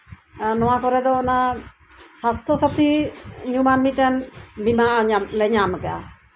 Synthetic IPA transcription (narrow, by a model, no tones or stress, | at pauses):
nɔwapɔɾɛd̪ɔːna | sast̪ʰɔsat̪ʰiɲumanmiʈɛnbimaɲamlɛɲamkɛa